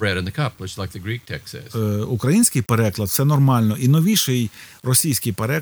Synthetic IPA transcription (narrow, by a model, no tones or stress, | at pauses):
bɹɛɾɨ̃nðɨkʰʌpwɪt͡ʃz̥laɪk̚ðɨɡɹik̚tʰɛksɨ̰z̥ukɾɐjinʲsʲkɪjpeɾɛklˠɐd̪̚sɛnɔrmɑlʲnɔʔinɔʋʲiʃɪjrɔsʲijsʲkɪjpeɾɛ